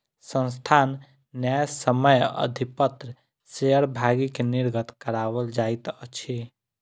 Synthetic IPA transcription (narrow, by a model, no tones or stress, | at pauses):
sə̃nst̪ʰanː | jajsəməjə̰d̪ʱipət̪ɾə | seəɾbʱaɡikeniɾɡət̪kəɾabəld͡ʒajt̪ət͡ʃʰi